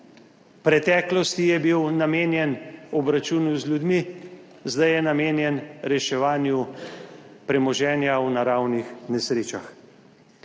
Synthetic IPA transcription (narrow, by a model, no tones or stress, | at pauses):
pɾɛt̪ɛːklɔst̪ijɛbiwnameːnjɛnɔbɾat͡ʃuːnuzlʲjud̪mi | zd̪ajɛnameːnjɛnɾɛʃɛʋaːnju | pɾɛmɔʒɛːnjawnaɾawnixnɛsɾeːt͡ʃax